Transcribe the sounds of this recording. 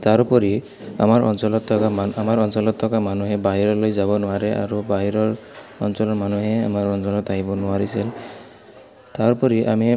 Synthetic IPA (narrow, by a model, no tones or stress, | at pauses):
t̪aɾupɔɾi | a̰maɾʔɔ̰nsɔlɔt̪ʰːɔkamaamaɾɔnsɔlɔt̪ʰːɔkamanuɦebaɦiɾɔlojzabɔnɔaɾeʔa̰ɾubaɦiɾɔɹɔ̰nsɔlɔmanuɦeamaɹɔnsɔlɔt̪aɦibɔnɔaɾisil | t̪aɾupɔɾiʔa̰mi